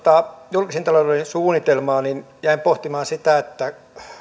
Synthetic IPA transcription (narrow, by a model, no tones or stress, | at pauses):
t̪ɑjulkisint̪ɑloreinsuːnːˑit̪elmɑːnin | jæimpoht̪imɑːnsit̪æet̪ːæ